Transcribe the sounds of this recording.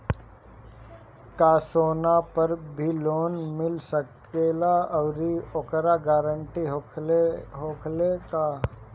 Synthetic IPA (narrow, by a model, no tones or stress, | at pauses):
kaːsoːnapɐɾbʱiloːnmɪlsək | eːlaɔːɾiokɾaɡaːɾəɳʈiɦo | ɦoːkʰlekaː